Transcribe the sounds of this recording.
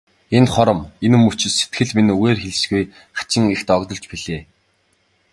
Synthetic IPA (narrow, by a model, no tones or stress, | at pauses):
enχɔɾɞ̆menɘ̆mːut͡ɕɪ̆set̪ɡɘ̆ɮminuɣeːrxeɮɘ̆sɡuj | χḁt͡ɕɪ̆ŋext̪ɔkt̪ɞ̆ɬt͡ɕpiɮeː